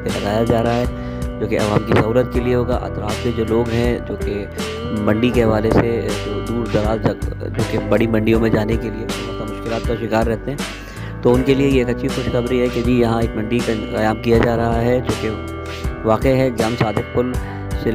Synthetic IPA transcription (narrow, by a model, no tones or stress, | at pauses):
elɐɡaːjad͡ʒaːɾɐɦaɦɛː | d͡ʒoːkeɐ̰ʋaːmkisɐɦuːlət̪̚kelieɦoːɡa̰ʔɐ̰t̪ɾaːfked͡ʒoːloːɡɦɛ̃d͡ʒoːke | mɐ̃ɳɖikeɦɐʋaːlesed̪uːɾd̪ɐɾaːzd͡ʒd͡ʒoːkebɐɽimɐ̃ɳɖijõmẽd͡ʒaːnekeliemɐk̪amʊʃkɪlaːt̪̚kaʃɪkaːɾːɛɦt̪eɦɛ̃ː | t̪oʊnkeliejeːkɐtːʃʰixʊʃxɐbɾiɦɛked͡ʒijɐɦãeːk̚mɐ̃ɳɖikkɐjaːmkijad͡ʒaːɾɐɦaɦɛd͡ʒõːke | ʋaːqeɦɛd͡ʒɐmsaːd̪ʱɪk̚kʊl | se